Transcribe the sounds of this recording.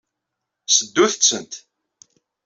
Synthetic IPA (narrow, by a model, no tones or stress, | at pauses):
səd̪ːuθət͡sːənt̪